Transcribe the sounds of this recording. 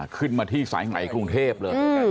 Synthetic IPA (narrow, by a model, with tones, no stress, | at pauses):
kʰɯ˥˩nmaː˧t̪ʰiː˥˩sa̰ː˩˦jŋa̰˨˩˦jkɾu˧ŋt̪ʰeː˥˩p̚lɤː˧